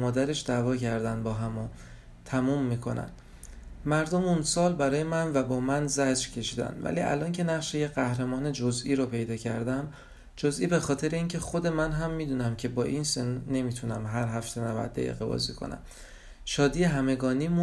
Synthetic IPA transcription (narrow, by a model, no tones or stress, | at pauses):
mɒːd̪æɾe̞ʃd̪ævɒːcæɾd̪ænd̪bɒːɦæmo | t̪ʰæmuːmːiːkʰo̞̰næ̰n | mæɾd̪omunsɒːlbæɾɒːje̞mænvæbɒːmænzæd͡ʒɾcʰe̞ʃiːd̪æ̰nd̪væ̰liːʔæ̰lʔɒːncʰe̞næʁʃejeɢæhɾemɒːned͡ʒozʔiːɾopʰe̞jd̪ɒːcʰæɾd̪æm | d͡ʒozʔiːbe̞xɒːt̪ʰe̞ɾe̞iːncʰe̞xod̪e̞mænɦæmːiːd̪uːnæmcʰe̞bɒːʔinsenne̞miːt̪ʰunæmɦæɾɦæft̪ʰe̞nævæ̰d̪̚ːæ̰jḭɣḛbɒ̰ːzḭkʰo̰næ̰m | ʃɒːd̪iːeɦæme̞ɡɒːniːmu